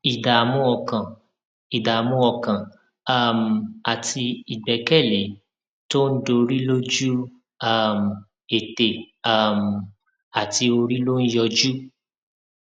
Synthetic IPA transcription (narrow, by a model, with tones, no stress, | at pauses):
i˨da˨mũ˧˦ɔ˧kã˨ | i˨da˨mũ˧˦ɔ˧kã˨ | a˦˨m̩˨a˨tʰi˧i˨ɡ͡bɛ˨˦kɛ˦˨le˨˦ | to˦n̩˦do˧ɾi˦lo˦d͡ʒu˦ | a˦˨m˨ | e˨te˨ | a˦˨m̩˨ | a˨ti˧o˧ɾi˦lo˦n̩˦jɔ˧d͡ʒu˦